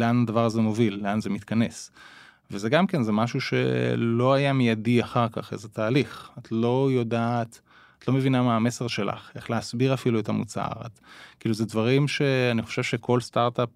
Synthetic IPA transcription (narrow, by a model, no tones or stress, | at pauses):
leanadavaʁazemo̞vilːeanzemit̪kane̞s | vezeɡamke̞nzemaʃuʃe̞̰lo̞ajamijadiaχaʁka̰χezetaːliχatʰlo̞jo̞daːt | at̪lo̞me̞vinamaːme̞se̞ʁʃela̰χe̞χleasbiʁafiluetamut͡sa̰ʁa̰tkiːluzedvaʁimʃe̞aniχo̥ʃev̥ʃe̞kʰo̞lstaʁtap